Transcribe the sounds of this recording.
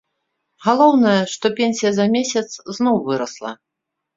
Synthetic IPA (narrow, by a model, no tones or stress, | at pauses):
ɣalˠɔwnɐjɐʂt̪ɔpʲenʲsʲijɐzɐmʲesʲɐt̪sznɔwvɨɾɐslˠɐ̰